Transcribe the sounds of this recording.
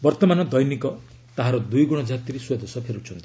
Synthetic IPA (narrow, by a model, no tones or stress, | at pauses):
bɔɾt̪ɔmanɔd̪ɔjnikɔ | t̪aɦaɾɔd̪ujɡuɽ̃ɔd͡ʒat̪iɾeswed̪osɔpʰeɾut͡ʃʰɔnt̪i̥